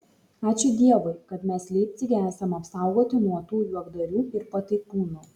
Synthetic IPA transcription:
ɑːt͡ʃʲʊd̪ʲiɛʋʊɪkɐt̪mʲɛslʲeɪp̚ʲt̪sʲɪɡʲæːsɐmɐpsɑˑʊɡoːt̪ʲɪnuɔt̪uːjuɔɡd̪ɐɾʲuːɪɾpɐt̪ɐɪpuːnuː

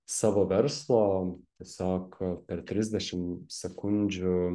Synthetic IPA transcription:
sɑːʋoʋʲɛɾslˠoːt̪ʲɛsɑːkpʲɛɾt̪ʲɾʲɪzʲd̪ʲɛʃʲɪmsʲɛkʊnʲd͡ʒʲʊ

